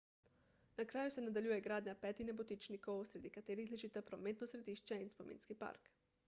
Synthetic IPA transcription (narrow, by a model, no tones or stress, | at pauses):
nakɾaːjusɛnad̪aljujɛɡɾaːd̪ɲapɛːt̪inɛbot̪it͡ʃnikowsɾed̪ikat̪eːɾixlʲeʒit̪apɾomeːt̪nosɾed̪iːʃt͡ʃɛinspomḭːnskipa̰ɾk